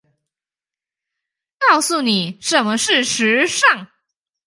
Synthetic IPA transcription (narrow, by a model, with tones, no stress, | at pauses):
kɑ˥˩ʊsu˥˩ni˨˩ʂə˨˦nmə˧ʂɻ̩˥˩ʂɻ̩˧˥ʂɑ˥˩ŋ